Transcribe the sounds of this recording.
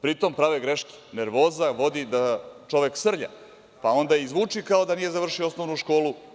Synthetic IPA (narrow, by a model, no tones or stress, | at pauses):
pɾit̪o̞mpɾaʋeɡɾe̞ʃki̥ne̞ɾʋo̞ːzaʋo̞d̪id̪at͡ʃo̞ʋeksr̩ʎa̰ | pao̞nd̪ajizʋuːt͡ʂikao̞d̪anije̞zaʋr̩ʃioosnoʋnuʃko̞ːlu